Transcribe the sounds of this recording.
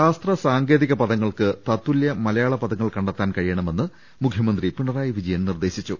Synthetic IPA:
aːst̪rɐsaːŋɡe̞ːðiɣɐpɐðɐŋːɐɭkɨt̪ɐt̪ːuiljɐmɐlɐjaːɭɐpɐðɐŋːɐɭkɐɳɖɐt̪ːaːnkɐɻijɐɳɐme̞nːɨ | mukʰjɐmɐnd̪ripiɳɐraːjiʋid͡ʑɐjɐnnird̪e̞ːɕit͡ɕːu

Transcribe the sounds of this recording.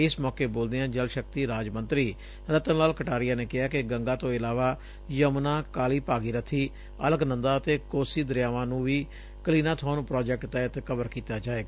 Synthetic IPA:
ɪsmɔːkeːboːld̪eãːd͡ʒəlʃək̚t̪iːɾaːd͡ʒmənt̪ɾiː | ɾət̪ənlaːlkəʈaːɾɪjaːneːkɪɦaːkɪɡəŋɡãːt̪õːɪlaːʋaː | jəmnãːkaːliːpaːɡiːɾət̪ʰːiː | ə̰ləɡnə̃nd̪aːət̪eːkoːsiːd̪əɾɪjaːʋãːnũːʋiː | kəliːnãːt̪ʰʊãːnũːpɾaːd͡ʒɛk̚ʈt̪ɛːt̪kəbəɾkiːt̪aːd͡ʒaːeːɡaː

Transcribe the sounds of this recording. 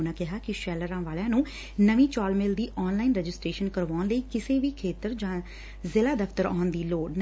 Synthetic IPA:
nãːkɪɦaːkɪʃɛːləɾãːʋaːljãːnũː | nəʋĩːt͡ʃaːlmeːld̪iːʔɔːnlaːiːnɾɛːd͡ʒɪsʈɾeːʃənkəɾʋaːnləiːkɪseːʋiːkʰeːt̪əɾd͡ʒãː | zɪlaːd̪əft̪əɾa̰ːnd̪iːloːɖn

